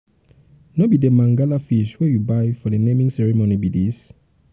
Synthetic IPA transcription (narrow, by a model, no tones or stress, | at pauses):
nobidemãŋɡalafiʃwɛjubajfɔdenẽmĩŋsɛɹimonibidis